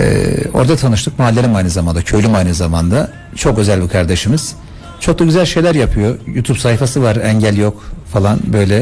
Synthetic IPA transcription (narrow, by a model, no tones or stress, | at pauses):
ɛ̰o̞̰ɾd̪at̪ʰanɯʃt̪ʰɯk̚malʲːeɾimajnɯzamand̪acʰø̞lʲymajnɯzamand̪a | t͡ʃʰo̞kø̞zælʲbikʰaɾd̪e̞ʃimiz̥ | t͡ʃʰo̞k̚d̪ˠaɟyzælʲʃe̞jlʲæɾjapʰɯjo̞juːt̪ʰupsajifasɯvaɾɛɲɟælʲjo̞kfalˠanbø̞jlʲɛ